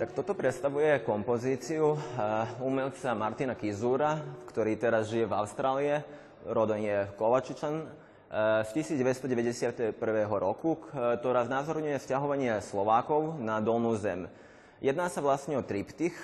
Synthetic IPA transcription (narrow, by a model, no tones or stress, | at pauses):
t̪akt̪ɔt̪ɔpɾɛt̪st̪aʋujɛkɔmpɔziːt͡siu | umɛlt͡samaɾt̪inakizuːɾafkt̪ɔɾiːt̪ɛɾazʒijɛvaʊst̪ɾaːliɛ | ɾɔd̪ɛnjɛkɔʋat͡ʃit͡ʃan | scisiːd͡zɟɛɛst̪ɔɟɛʋɛɟɛsɪat̪ɛpr̩ʋɛːɦɔɾɔkut̪ɔɾaːznazɔɾɲujɛfscaɦɔʋaɲɪɛslɔʋaːkɔʊnad̪ɔlnuːzɛ̰m | jɛd̪naːsaʋlast̪ɲɛɔt̪ɾipt̪ix